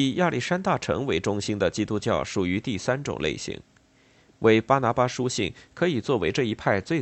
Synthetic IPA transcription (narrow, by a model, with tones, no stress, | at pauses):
ja˥˧li˥˩ʂa˥nt̪a˥˩ʈ͡ʂʰɤ̰˧˥ŋwe˧˥ɪʈ͡ʂʊ˥ŋɕi˥nd̪ə˨t͡ɕi˥t̪u˥t͡ɕjɑ˥˩ʊʂu˨˩y˧˥t̪i˥˩sa˥nʈ͡ʂʊ̰˨˩ŋlʔḛ˥˩ɪɕḭ˧˥˦ŋ | wʔe˧˥ɪpa˥na˧˥pa˥ʂu˥ɕḭ˥˩ŋkʰɤ˧˥i˨˩t͡swɔ˥˩we˧˥ɪʈ͡ʂɤ˥˩i˧˥pʰa˥˧ɪt͡swe˥˧ɪ